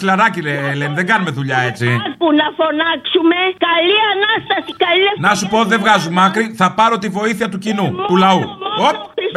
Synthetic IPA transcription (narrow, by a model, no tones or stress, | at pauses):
silɐɾɐcilelenðe̞ŋɡɐnumeðuʎɐe̞t͡sipunɐfo̞nɐksumekɐliɐnɐst̪ɐsi̥kɐlienɐsupoot̪iðevɣɐzumɐkɾiθɐpɐɾo̞t̪ivo̞iθiɐt̪ucinut̪ulɐuo